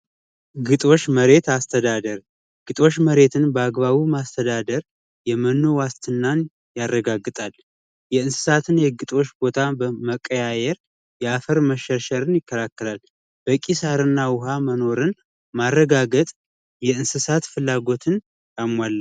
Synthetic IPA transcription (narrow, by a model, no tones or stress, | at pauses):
ɡɨt̪ʼo̞t͡ʃːməɾe̞t̪ast̪ʰəd̪ad̪əɾ | ɡ̥ɨt̪ʼo̞t͡ʃːməɾe̞t̪ʰɨnbəaɡβaβumast̪ʰəd̪ad̪əɾ | jɛmənːowast̪ʰɨnːan | jarːəɡaɡɨt̪ʼal | jɛɨnsɨ̥sat̪ʰɨnjɛɡɨt̪ʼo̞t͡ʃːbo̞t̪ʰabəməkʼːəjajɛɾ | jɛafəɾməʃəʃəɾɨnjɪkːəlakːəlal | b̥əkʼisaɾɨnːawʊɦaməno̞ɾɨn | marːəɡaɡət̪ʼ | jɛɨnsɨsat̪fɨlːaɡo̞t̪ʰɨn | jamːalː